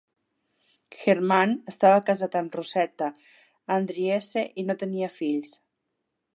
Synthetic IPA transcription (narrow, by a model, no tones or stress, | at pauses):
xeɾmanəst̪aβakazat̪ənrusɛt̪aː | nd̪ɾieseʔinot̪əniafiʎs